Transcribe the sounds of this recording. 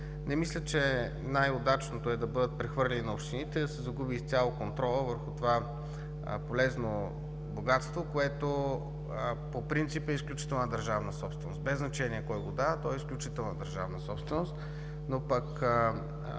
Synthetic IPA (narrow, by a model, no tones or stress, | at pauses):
nɛmislʲət͡ʃɛ | najod̪at͡ʃnot̪oɛd̪ɐbɤd̪ət̪̚pɾɛxvɤɾlʲɛninɐopʃt̪init̪ɛd̪ɐsɛzɐɡubist̪sʲalˠokont̪ɾɔlˠəvəɾxut̪ova̰ | polɛzno | boɡat̪st̪vokoɛt̪o | popɾint̪sipɛisklʲut͡ʃi̥t̪ɛlˠnəd̪ɐɾʒavnəsɔpst̪vɛnost̪bɛznɐt͡ʃɛniɛkɔjɡod̪at̪ɔɛisklʲut͡ʃit̪ɛlˠnəd̪əɾʒa̰vnəsɔpst̪vɛnost̪ | nopɐk